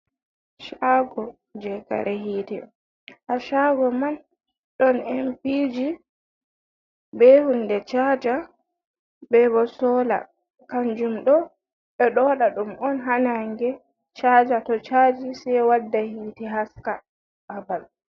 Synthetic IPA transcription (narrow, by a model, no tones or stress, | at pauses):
ʃaɡɔ | d͡ʒɛka̰ɾɛhiːtɛ | haʃaɡɔman | ɗɔnɛmpid͡ʒi | bɛhundɛt͡ʃad͡ʒa | bɛbɔsɔla̰ | kand͡ʒumɗɔ | ɓɛɗɔɗaɗumɔnɦanaŋɡɛ | t͡ʃad͡ʒatɔt͡ʃad͡ʒisɛwadːahiːtɛɦaska | ʔabal